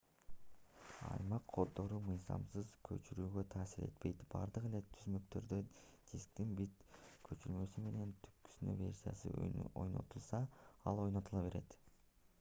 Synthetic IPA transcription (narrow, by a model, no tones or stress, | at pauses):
ɑ̰jmɑqʰːo̞d̪o̞ɾumɯjzɑ̰msɯzkʰø̞̰t͡ʃyɾyːɡø̞t̪ʰɑːsiɾe̞̰t̪pe̞jt̪b̥ɑ̰ɾd̪ɯʁele̞t̪ʰyzmø̞kt̪ø̞ɾd̪ød͡ʒ̪eskt̪inbit̪kʰø̞t͡ʃylmø̞syme̞ne̞nt̪ʰy̥p̚ky̥synø̰vʲe̞̰rʲsʲija̰sɯ̰ojno̞̰t̪ulˠsɑɑlˠo̞jno̞t̪ɯlˠɑβe̞ɾe̞t̪